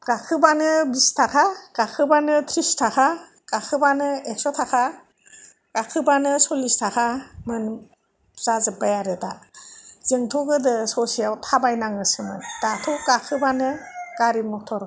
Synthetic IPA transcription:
ɡ̥akʰɯbanɯbistʰakʰaɡ̥akʰɯbanɯtʰɾistʰakʰa | ɡ̥akʰɯbanɯeksɔtʰakʰa | ɡ̥akʰɯbanɯsɔlistʰakʰamɯn | z̥azɯbajaɾɯda | z̥eŋtʰɔɡɯdɯsɔsijawtʰabajnaŋɯsɯmɯd̥atʰɔkakʰɯbanɯɡ̥aɾimɔtʰɔɾ

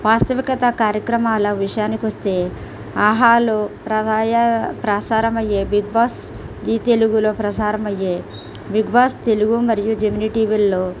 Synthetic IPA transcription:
ʋaːst̪ɐʋikɐt̪ɐkaːɾjɐkɾɐmaːlɐʋiʂɐjaːnikiʋɐst̪e̞ː | aːɦaːlopɾɐaːjɐpɾɐːsaːɾɐmɐjːeːbiɡ̚baːs | d̪iːt̪eluɡuloːpɾɐsaːɾɐmɐjːeː | biɡbaːst̪e̞luɡumɐɾijud͡ʒeminiʈiːʋilːoː

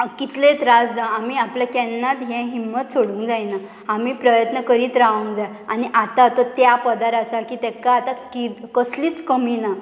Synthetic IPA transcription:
kit̪lẽt̪ɾad͡zd͡zaamiːapljakɛnːat̪ɦɛ̃ɦimːət̪soɽũːŋkd͡zajna | amiːpɾəjət̪nəkəɾiːt̪ɾaũŋd͡zaj | aniʔat̪at̪ɔt̪japəd̪aɾasakiːt̪ɛkaat̪akikəsliːt͡skəmina

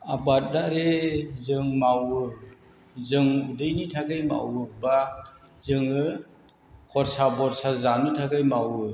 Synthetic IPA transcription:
abat̚daɾezɯŋmawɯ | zɯŋudɯjnitʰaɡajma̰wɯba | zɯŋɯ | kʰɔɾsabɔɾsazanutʰaɡajmawɯ

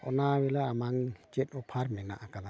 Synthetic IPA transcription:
ɔnawɛlaːmaŋt͡ʃɛt̚ˀɔpʰaɾmɛna̰ʔakana

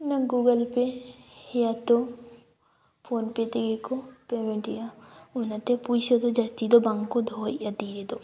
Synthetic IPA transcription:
nɐɡuːɡəlpehijat̪o | pʰoːnpet̪iɡekopemẽɳʈijaʊnɐt̪epusod̪od͡ʒɐst̪id̪obãŋɡkod̪ʱoːjad̪iːɾed̪o

